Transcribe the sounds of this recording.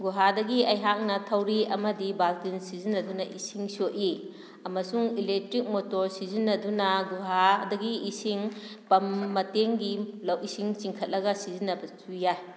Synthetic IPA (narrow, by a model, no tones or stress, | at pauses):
ɡuɦadɐɡiɐjɦak̚nɐtʰɐwɾiɐmɐdibalkinsizinːɐdunɐʔisiŋsoʔi | ɐmɐsuŋilek̚tɾik̚motoɾsizinːɐdunɐɡuɦadɐɡiisiŋpɐmːɐteŋɡilɐwisiŋt͡ʃiŋkʰɐt̚lɐɡɐsizinːɐbɐt͡ʃujaj